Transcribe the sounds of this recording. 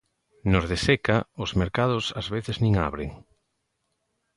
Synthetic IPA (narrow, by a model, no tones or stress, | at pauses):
nozðesekaozmeɾkað̞ʊsazβeθeznĩŋa̰βɾeŋ